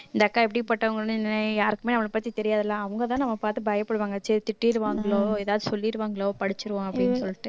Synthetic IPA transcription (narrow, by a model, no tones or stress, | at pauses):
ɪnd̪ɐːkːaːɛpːɐɽipɐʈːɐʋɐŋɡɐɭnɯ̃ɪnɐɐjaːɾɯkːɯmeːnɐmːɐɭpɐt̪ːit̪ɛɾɪjaːðɛlːãːɐʋɐŋɡɐt̪̬ãːnɐmːɐpaːɾt̪ɯbɐjɐpːɐɽɯʋaːŋɡɐsɛɾit̪ɪʈːiɪɾɯʋaːŋɡɐɭoːɛːðaːʋðɯsɔlːiɾɯʋaːŋɡɐɭoːpɐɽɪt͡ʃːɯɾɯʋõːɐpːɐɽɪnːɯsɔlːɪʈːɯ